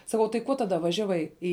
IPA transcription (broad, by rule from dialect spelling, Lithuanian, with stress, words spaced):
sɐˈkɐʊ tɐɪ ˈkuɔ ˈtɑːdɐ ˈʋɑːʒʲɛʋɐɪ ˈɪ